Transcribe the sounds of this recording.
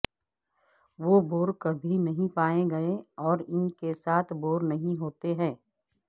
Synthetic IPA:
ʋoːboːɾkɐbʱinɐɦĩpaːeɡɐeɔːɾɪnkesaːt̪ʰboːɾnɐɦĩɦoːt̪eɦɛ̃ː

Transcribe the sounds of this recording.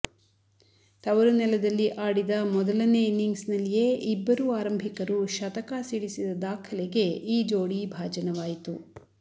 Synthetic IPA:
t̪ɐʋɐɾunɛlɐd̪ɐlːiʔaːɽid̪ɐmɔd̪ɐlɐneniŋɡsnɐlːije̞ːʔibːɐɾuaːɾɐmbʱikɐɾuʃɐt̪ɐkasiɽisid̪ɐd̪aːkʰɐlɛɡe̞iːd͡ʒoːɽibʱaːd͡ʒɐnɐʋaːjit̪u

